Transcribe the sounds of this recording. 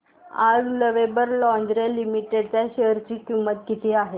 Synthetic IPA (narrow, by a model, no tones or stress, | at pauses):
ad͡zləʋebəɾlɔnd̪ɾelimiʈeɖt͡ɕaɕeɦɾt͡ɕiːkimət̪kit̪ʰiːaɦe